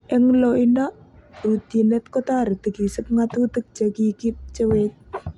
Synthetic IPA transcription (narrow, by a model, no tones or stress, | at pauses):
ʔɪŋloinaʔut̪inɛt̪̚kot̪aɾd̪̥ə̤ɡisəp̚ŋat̪ud̪ək̚d͡ʒ̥akikip̚t͡ʃəwet̪̚